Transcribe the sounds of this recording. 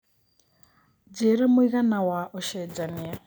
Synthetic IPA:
d͡ʒeɾemʊiɣanawaʔɔʃɛd͡ʒanɪa

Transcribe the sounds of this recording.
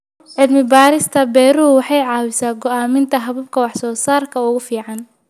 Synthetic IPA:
ʕɪd̪mɪbaːɾɪst̪ʰɐbɛːɾuːwɑħɑjʕɑːwɪsaːɡɔaːmɪnt̪ʰɐɦɐβɐb̚kʰɐwɑħsɔːsaːrkʰɐʊɣʊfiːʕɑn

